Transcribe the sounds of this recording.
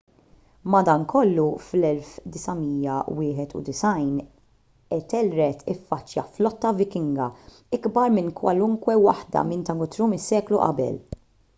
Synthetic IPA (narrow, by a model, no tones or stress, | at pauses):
mɐd̪ɐŋkʰɔlːuflɛlfd̪ɪsɐmiːjɐwɪːħɛt̪ṵd̪ɪsɐjn | ɛt̪ɛlɾɛt̪ʰɪfːɐt͡ʃːjɐflɔt̪ːɐvɪkɪŋɡɐ | ɪɡbɐɾmɪnkwɐ̰lʊŋkwɛwɐħd̪ɐ̰mɪnt̪ɐŋʊt̪ɾuːmɪsːɛːkluʔɐ̰bɛ̰l